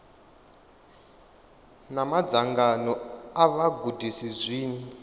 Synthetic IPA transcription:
namad͡zaŋɡanɔaβaɡʱudʱisizʷiːni

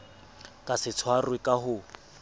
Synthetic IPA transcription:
kʼasɪt͡sʰwarwɪkʼaɦʊ

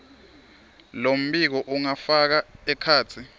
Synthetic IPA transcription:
lom̩ɓik̬ɔʔuŋafak̬aɛkʰaːt͡sʰi

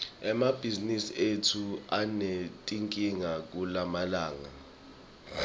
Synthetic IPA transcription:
ɛmab̥ʱizinisietʰuanetʼiŋkʼiŋak̬ʼulamalaːŋa

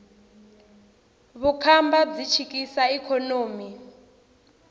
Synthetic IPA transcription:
βukʰambad͡zit͡ʃʰikisaikʰɔnoːmi

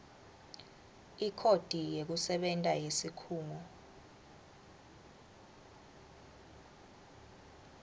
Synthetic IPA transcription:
ikʰod̥ʱijek̬usɛɓɛntʼajesikʰuːŋɔ

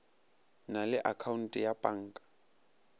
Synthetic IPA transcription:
nalɪʔakʰaun̩tʼɪjapʼaŋ̩ːkʼḁ

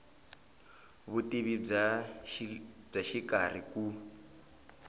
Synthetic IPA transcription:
βutiβi | b͡ʐaʃikar̤iku

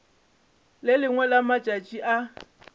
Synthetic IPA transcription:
lɪlɪŋwɛlamat͡ʃʼat͡ʃʼiʔa

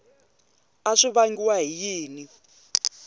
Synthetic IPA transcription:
aʂiβaŋɡiwaɦijiːni

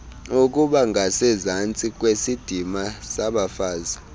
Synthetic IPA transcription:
uk̬ʼuɓaŋɡʱasɛzant͡sʼik̬ʼwesid̥ʱimasaɓafaːza

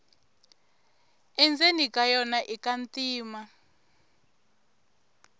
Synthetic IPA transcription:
ɛnd͡zenikʼajɔnaʔikantiːma

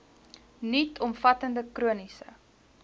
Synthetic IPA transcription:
nitʰɔmfɐtəndəkruənisə̰

